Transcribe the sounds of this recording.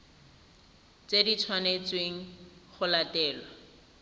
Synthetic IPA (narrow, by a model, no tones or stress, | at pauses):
t͡sedit͡sʰwanet͡sweŋ̩χʊlatɛːlwɔ